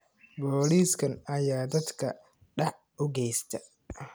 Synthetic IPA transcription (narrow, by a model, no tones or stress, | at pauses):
bɔːliːskʰɐnɐjaːd̪ɐd̪kʰɐ̰ | ɖɑʕ | ʔʊɡɛjst̪ʰɐ